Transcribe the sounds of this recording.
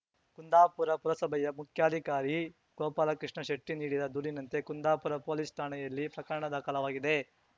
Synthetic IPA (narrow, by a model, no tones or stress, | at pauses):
kund̪aːpuɾɐpuɾɐsɐbʱɐjɐmukʰjaːd̪ʱikaːɾi | kɔːpaːlɐkɾiʂɳɐʃeʈːiniːɽid̪ɐd̪uɾinɐnt̪ekund̪aːpuɾɐpoːlist̪ʰaːɳɐjɐlːipɾɐkɐɾɐɳɐd̪aːkɐlɐʋaːɡid̪e̞